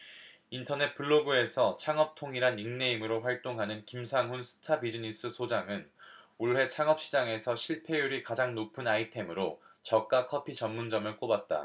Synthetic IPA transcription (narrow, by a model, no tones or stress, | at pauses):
intʰʌne̞t̚p͈uɭːoɡue̞sʰʌt͡ɕʰaŋʌp̚tʰoŋiɾaniŋne̞imɯɾoɸwaɭt͈oŋɦanɯnkimsʰaŋɦunsʰɯ̥tʰabid͡ʑinis͈ɯsʰod͡ʑaŋɯnuɭɦe̞t͡ɕʰaŋʌp̚ɕ͈id͡ʑaŋe̞sʰʌɕʰiɭpʰe̞juɾikad͡ʑaŋnopʰɯnaitʰe̞mɯɾot͡ɕʌk̚k͈akʰʌpʰit͡ɕʌmmːund͡ʑʌmɯɭk͈obat̚t͈a̰